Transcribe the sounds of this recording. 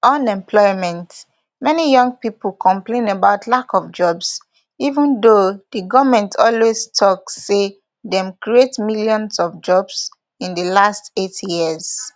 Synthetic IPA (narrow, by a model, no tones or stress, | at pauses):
ɔ̃nɛ̃mpʰlɔɪmɛ̃nt | mɛnijɔ̃ŋɡ̚pipl̩kʰɔ̃mplẽnəbaʊtʰlakɔvd͡ʒɔbs | ivə̃ndodiɡɔvmɛ̃ntʰɔlwestʰɔkse | dɛ̃mkɹietmiljɔ̃nsɔvd͡ʒɔbs | ĩndəlastetjiəz